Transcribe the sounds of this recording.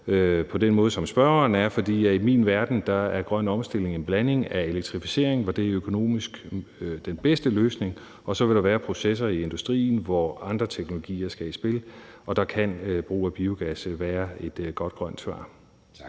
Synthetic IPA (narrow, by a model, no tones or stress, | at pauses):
øpʰɒ̽d̥enmɔːð̞ˠsɒ̽msb̥ɶɐɐnæɐfɒ̽d̥ḭːjæimḭːnʋæɐd̥n̩d̥ɑ̈æɐɡ̥ʁɶn̰ɒ̽msd̥e̝l̰e̝ŋe̝nb̥læne̝ŋæe̝leɡ̥̚t͡sʰʁifise̝̰ɐ̰eŋʋɒd̥e̝æɐøkʰo̝no̝̰ːmisɡ̥d̥enb̥esd̥əløːsne̝ŋ | ɒ̽sɒ̽ʋe̝lɾ̥ɑ̈ʋæːɐpʰʁo̝ses̬ɐie̝nd̥usd̥ʁḭːn̩ʋɒɑ̈nd̥ʁɐt͡sʰeɡ̥nolo̝ɡ̥ḭːɐsɡ̥æisb̥e̝lɒ̽d̥ɑ̈kʰænb̥ʁṵːæb̥iːʊɡ̥æsəʋæːɐe̝d̥ɡ̥ɒ̽d̥̚ɡ̥ʁɶn̰d̥sʋɑ̰̈ː